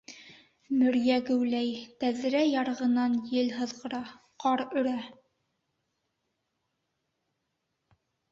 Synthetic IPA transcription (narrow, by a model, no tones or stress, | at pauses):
mɵ̆ɾjæɡɘ̆wlæjt̪æðɾæjɑɾɤ̆ʁɤ̆nɑnjɘlɦɤ̆ðʁɤ̆ɾɑ | qɑɾɵ̆ɾæ